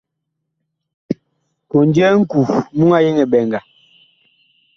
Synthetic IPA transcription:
ko˨nd͡ʒɛ˦ŋ̩˦ku˨mu˦ŋa˦je˦ŋɛ˨bɛ˨ŋɡa˨

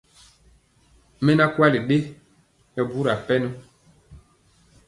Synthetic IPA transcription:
mɛ˦na˦kwa˦li˨ɗe˦ | jɔ˨bu˦ɾa˨pɛ˦nu˦

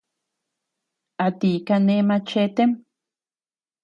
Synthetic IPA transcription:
a˨t̪i˨ka˧ne˧˦ma˧t͡ʃe˦t̪e˦m

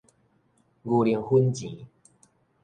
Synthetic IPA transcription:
ɡu˨˩li˨˩əŋhu˦nt͡ɕĩ˨˦

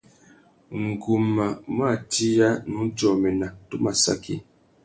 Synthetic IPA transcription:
ŋ̩˨ɡu˨mːa˨m˦a˦˨ti˦ja˦nu˨˦n˦d͡ʒɔ˨mɛ˨na˨tu˦ma˨sa̰˦kʰḭ˦˨

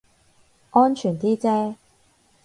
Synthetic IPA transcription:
ʔɔː˥nt͡ʃʰyː˨˩nt̪iː˥t͡sɛː˥

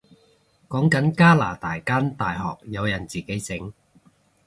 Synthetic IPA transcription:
kɔː˨˥ŋkɐ˨˥nkaː˥la̰ː˨˩t̪aː˨jkaː˥nt̪aː˨jɦɔ̰ː˨k̚jɐ˨˧wjɐ˨˩nt͡siː˨˩ke˨˥jt͡sɪ˨˥ŋ

